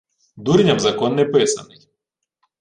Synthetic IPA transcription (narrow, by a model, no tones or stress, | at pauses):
d̪uɾnʲɐmzɐkɔnːɛpɪsɐ̰nɪj